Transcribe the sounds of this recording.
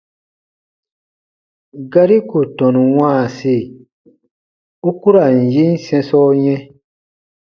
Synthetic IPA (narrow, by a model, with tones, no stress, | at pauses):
ɡa˧ɾi˦ko˨tɔ̃˨nũ˨wãː˦˨se˦˨ | u˦ku˦ɾa˨n̩˨ji˦n̩˦sɛ̃˧sɔ˦ɲɛ̃˦